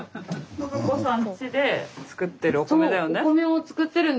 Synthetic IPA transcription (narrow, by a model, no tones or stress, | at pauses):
okosãnt͡ɕid̪e̞t͡sɨ̥kɯ̟t̪ːeɾɯ̟oksomed̪ajoneomeot͡sɨ̥kɯ̟t̪ːe̞ɾɯ̃n